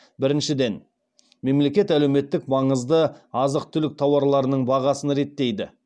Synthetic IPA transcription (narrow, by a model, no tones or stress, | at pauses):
bɪɾɪnʃɪd̪e̞n | me̞mle̞kʲe̞t̪ælewme̞t̪ːɪk̚mɑɴəzd̪əɑzəq̚t̪ʰʏlɪk̚t̪ʰɑwɑɾlˠɑɾənəɴbɑʁɑsənɾe̞t̪ːe̞jd̪ɪ